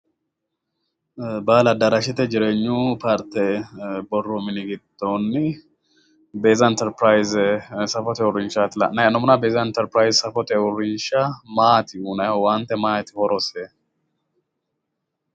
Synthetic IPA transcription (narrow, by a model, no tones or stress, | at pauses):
baːlɐd̪ɐɾɐʃɪt̪ɛd͡ʒɪɾeɲːupaɾt̪ɛbɔrːɔmɪnɪɡɪd̪̥ːonːɪ | beːzɐɛnt̪ɛɾpɾajzsɐfɔt̪ɛwʊɾɪnʃat̪ɪlɐ̰nɐjɐnːɔmʊnɐbeːzɐɛnt̪ɛɾpɾajzsɐfɔt̪ɛʊrɪnʃɐmaːt̪ɪuːnɐjwant̪ːɛmaːt̪ɪhɔɾɔse